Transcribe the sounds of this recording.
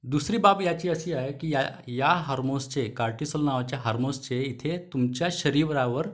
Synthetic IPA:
d̪usɾiːbapjat͡ɕiːəsiːaɦekiːjajaɦaɾmost͡ɕekaɾʈisəlnaʋat͡ɕjaɦaɾmost͡ɕeit̪ʰet̪umt͡ɕjaɕəɾiʋɾaʋəɾ

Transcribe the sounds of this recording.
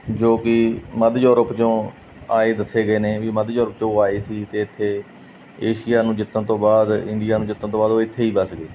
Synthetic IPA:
d͡ʒoːkɪməd̪juːɾəpt͡ʃõː | aːeːd̪əseːɡəeːneːʋiːməd̪juːɾəpt͡ʃõːaːiːsiːt̪eːɪt̪ʰːeː | eːʃɪjaːnũːd͡ʒɪt̪ːə̃nt̪õːbaːd̪ɪnd̪ɪjaːnũːd͡ʒɪt̪ːə̃nt̪õːbaːd̪oːɪt̪ʰːeːiːbəsɡeː

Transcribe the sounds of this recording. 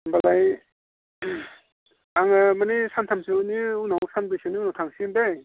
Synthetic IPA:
mbalaj | aŋamanisantʰamsiniunawsanbesiniunawtʰaŋsindej

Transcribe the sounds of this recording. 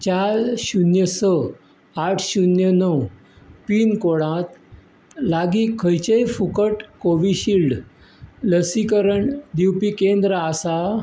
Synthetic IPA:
t͡ɕaɾɕunjəsə | aʈʰɕunjənəw | piːnkoɽãt̪ | laɡiːkʰːəjt͡ɕəjfukəʈkoʋiɕilɖ | ləsikəɾəɳd̪iwpikend̪ɾəasa

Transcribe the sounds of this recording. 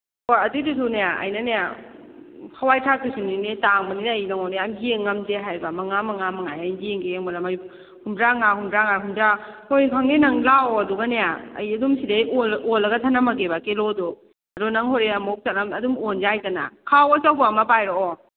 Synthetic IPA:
ojatidus̬unejaa̰jnaneja | kʰawajtʰatusininitaŋbaninajnaŋɔneamhieŋːamzeɦajbamaŋamaŋamaŋajajdeŋɡeeŋmaɾamaj | humɾaŋahumɾaŋahumɾahojkʰaŋninaŋlawɐduɡanejaɐ̰jɐdumsideolːɐɡatʰanamaɡebakelodɔ | ɐdɔnaŋhoɾeamɔk̚sat̚amɐdumonzajtana̰kʰawasawbuamapajɾɔɔ

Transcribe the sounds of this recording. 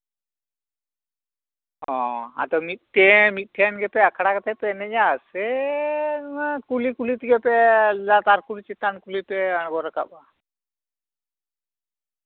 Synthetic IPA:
ɔ̃a̰t̪ɔmit̪̚ʈɛmit̪̚ˀʈʰɛnɡɛpɛakʰaɽakat̪ɛpɛnɛd͡ʒasɛ | kulikulit̪ɡɛpɛlat̪aɾkulit͡ʃit̪ːankulipɛanɡɔɾɔkaba

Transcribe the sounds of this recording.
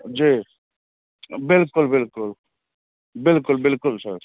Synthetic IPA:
d͡ʒiː | bɪlkʊlbɪlkʊl | bɪlkʊlbɪlkʊlsə̰ɾ

